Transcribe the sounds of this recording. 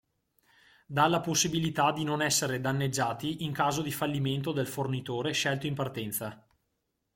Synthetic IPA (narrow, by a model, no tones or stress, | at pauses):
d̪alaposːibilit̪ad̪inonɛsːeɾed̪anːed͡ʒːaːt̪iʔiŋkaːzod̪ifalːiment̪od̪elfornit̪oːɾeʃɛlt̪oimpart̪ɛnt̪sa